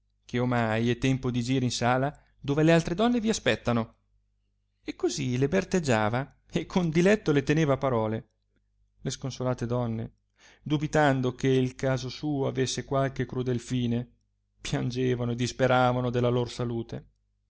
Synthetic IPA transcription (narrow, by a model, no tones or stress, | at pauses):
k̟ʰeomajɛt̪ːɛmpod̪id͡ʒiːɾeinsaːla | d̪oːvelealt̪ɾed̪ɔnːeviaspɛt̪ːano | ekːozilebert̪ed͡ʒːaːva | ekʰːond̪ilɛt̪ːolet̪eneːvapaɾɔːle | leskonsolaːt̪ed̪ɔnːḛ | d̪ubit̪and̪okeilkaːzosuːoavesːekwalk̟ekɾud̪elfiːne | pjand͡ʒeːvanoed̪ispeɾaːvanod̪elːaloɾsaluːt̪e